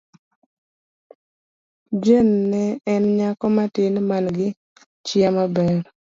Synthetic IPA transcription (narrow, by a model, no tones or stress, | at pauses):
d͡ʒenːɛɛnɲakɔmatɪnmanɡɪ | t͡ʃɪamabɛɾ